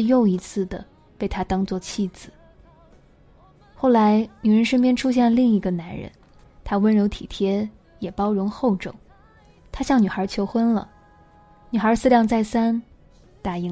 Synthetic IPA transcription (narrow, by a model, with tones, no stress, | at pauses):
jo˥˩ʊi˧˥t͡sʰɹ̩˥˩d̪ə̰˩ | pe˥˩ɪt̪ʰa˥t̪ɑ˥ŋt͡swɔ˥˧˩t͡ɕʰi˥˩d͡zɹ̩˩˦ | xo˥˩ʊla˧˥ɪny˨˩ɻə˧˥nʂə˥npjɛ˥nʈ͡ʂʰu˥ɕ̬jɛ˥˩lə˧li˥˩ŋi˧˥ɡə˧na˧˥nɻə̰˧˥n | t̪ʰa˥wə˥nɻo˧˥ʊt̪ʰḭ˨˩t̪ʰjɛ˥ | jɛ˨˩pɑ˥ʊɻʊ˧˥ŋxo˥˩ʊʈ͡ʂɤ̰˨˩˦ŋ | t̪ʰa˥ɕjɑ˥˩ŋny˨˩xə˞˧˥t͡ɕʰjo˧˥ʊxwə˥nlə̰˨ | ny˨˩xə˞˧˥sɹ̩˥˧ljɑ˥˧ŋt͡sa˥˩ɪsa˥n | t̪a˥˩i˧˥